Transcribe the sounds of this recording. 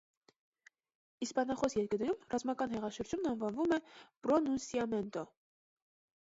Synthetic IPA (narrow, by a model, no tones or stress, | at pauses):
ispɑnɑχɔsjɛɾkəɾnɛɾumrɑzmɑkɑn̪ɦɛʁɑʃəɾd͡ʒumnɑnvɑnvumɛb̥ɾɔnunsiɑmɛnt̪ɔ